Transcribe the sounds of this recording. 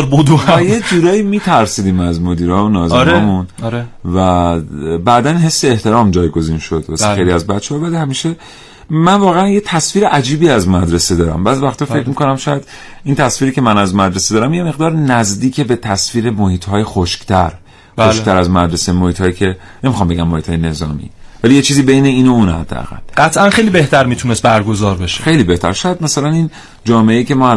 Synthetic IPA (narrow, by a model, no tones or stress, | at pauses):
ɾbod̪ojed͡ʒuːɾɒːjimiːt̪ʰæɾsiːd̪iːmæzmod̪iːɾɒːmonɒːzeɾɒːmunɾvæ | bæːd̪ænɦe̞sːeeht̪e̞ɾɒːmd͡ʒɒːjɡo̞ziːnʃo̞d̪̥væsejliæzbæt̪t͡ʃʰːeɒːvælihæmiːʃe̞ | mænvɒːɣeænjet̪ʰæsviːɾe̞ʔæd͡ʒiːbiːæzmæd̪ɾesed̪ɒːɾæ̰mbæzvæxt̪ɒːfe̞cʰmiko̞næmʃɒːjæd̪ | int̪ʰæsfiːɾiːcʰʲemænæzmæd̪ɾesed̪ɒːɾæmje̞me̞ɣd̪ɒːɾnæzd̪iːcʰebe̞t̪ʰæsfiːɾe̞mohiːt̪ʰhɒːjexoʃkt̪ʰæɾ | xoʃkt̪æɾæzmæd̪ɾe̞semohiːt̪ʰhːjicʰe̞ | nemixɒmbe̞ɟæmːohiːt̪ʰɒːjene̞zɒ̰ːmḭːvælijet͡ʃʰiːziːbejne̞iːnouːnhæ̰d̪̥ːḛæ̰ɣæ̰lɢæt̪ʰʔænxejlibe̞ht̪æɾmiːt̪ʰunest̪̚bæɾɡozɒːɾbeʃe̥xe̞jliːbe̞ht̪æ̰ɾʃɒːjæd̪̚mæsælænin | d͡ʒɒːme̞eiːce̞mɒːæ